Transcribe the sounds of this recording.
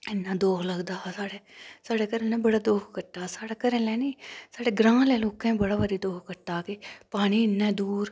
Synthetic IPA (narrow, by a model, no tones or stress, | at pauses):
ɪnːãːd̪oːkʰləɡd̪aːsaːɽeːsaːɽeːkəɾẽlɛ̃ːbəɽaːd̪oːkʰkəʈːaːsaːɽaːkəɾẽːlɛːniːsaːɽeːɡɾãːlɛːloːkɛ̃ːbəɽaːʋəɾiːd̪oːkʰkəʈːaːkɪpaːɽ̃iːɪnːɛ̃ːd̪uːɾ